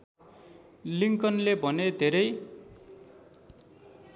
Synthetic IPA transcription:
liŋkʌnlebʱʌned̪ʱeɾʌj

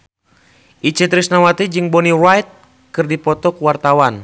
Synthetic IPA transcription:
ʔit͡ʃɛt̪ɾisnawat̪id͡ʒɨŋbɔnirajt̪̚ | kɨrdipɔt̪ɔkuwart̪awan

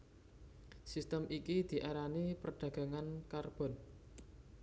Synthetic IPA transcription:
sist̪əmʔikid̪̥i̤ʔaɾanipərɖ̪̥ä̤ɡ̥a̤ŋankarb̥ɔ̤n

